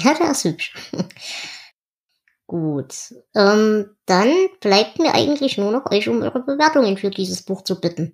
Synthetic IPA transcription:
jaːd̥aːɪsthʏpʃ | ɡ̥uːtʔɛːmd̥anb̥laɪp̚tmiːɐʔa̰ɪɡŋ̩tlɪçnuːɐnɔχʔɔ̰ʏçʊmʔɔ̰ʏʁəbəveːɐtʊŋənfyːɐdiːzəsb̥uːxt͡sub̥ɪtn̩

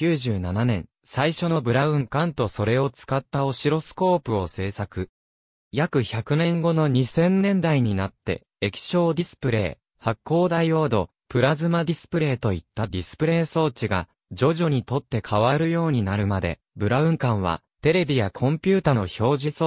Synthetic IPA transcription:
kʲɨːʑɨːnananẽ̞ɰ̃ | saiɕo̞no̞bɯ̟ɾaɯ̟̃ŋkãnt̪o̞so̞ɾe̞o̞t͡sɨ̥kat̪ːao̞ɕiɾo̞sɨ̥ko̞ːpɯ̟o̞se̞ːsakɯ̟ | jakɯ̟çakɯ̟nẽ̞ŋɡo̞no̞ɲ̟isẽ̞nːẽ̞nd̪aiɲ̟inat̪ːe̞̰ | ekʲi̥ɕo̞ːd̪ʲisɨ̥pɯ̟ɾe̞̰ː | hakːo̞ːd̪aio̞ːd̪o̞ | pɯ̟ɾazɨmad̪ʲisɨ̥pɯ̟ɾe̞ːt̪o̞it̪ːad̪ʲisɨ̥pɯ̟ɾe̞ːso̞ːt͡ɕiɡa̰ | d͡ʑo̞ʑo̞ɲ̟it̪o̞t̪ːe̞kʰaβaɾɯ̟jo̞ːɲ̟inaɾɯ̟mad̪e̞̰ | bɯ̟ɾaɯ̟̃ŋkãɰ̃β̞a̰ | t̪e̞ɾe̞bʲijakʰõ̞mpʲɨːt̪ano̞ço̞ːʑiso

